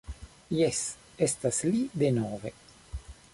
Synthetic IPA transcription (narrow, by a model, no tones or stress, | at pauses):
jes | estaslidenove̞